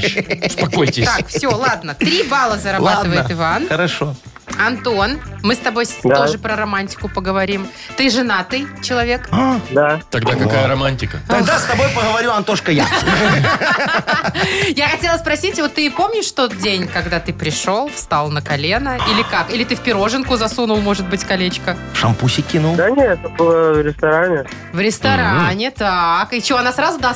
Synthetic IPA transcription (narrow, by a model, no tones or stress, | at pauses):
spɐko̞jtʲɪst̪ʲakfssʲolˠad̪nət̪ɾʲibalˠəzəɾɐlaat̪ɨvəjɪət̪ɨvanxəɾɐʂo | ɐnt̪o̞nmɨst̪ɐbo̞jt̪oʐɨpɾəɾɐmanʲtʲɪ̥kʊpəɡəvɐɾʲim | t̪ɨʐɨnat̪ɨjt͡ɕɪlˠɐvʲe̞kad̪at̪ɐɡd̪akɐkajəɾɐmanʲtʲɪkət̪ɐɡd̪ast̪ɐbo̞jpəɣəvɐɾʲuɐnt̪oʂkəja | jaxɐtʲelˠəspɾɐsʲitʲvo̞t̪ːɨɪpo̞mnʲɪʂt̪o̞t̪̚dʲenʲkɐɡd̪at̪ɨpɾʲɪʂo̞lˠfst̪alˠnəkɐlʲenəilʲɪkakilʲɪt̪ɨfʲpʲɪɾo̞ʐɨnkʊzɐsunʊlˠmo̞ʐɨt̪̚bɨtʲkɐlʲet͡ɕkəfʂɐmpusʲɪkʲːinulˠd̪anʲeɛt̪əbɨlˠəvɾʲɪst̪ɐɾanʲɪ | vɾʲɪst̪ɐɾanʲɪt̪akɪt͡ɕɪoɐnasɾazʊd̪a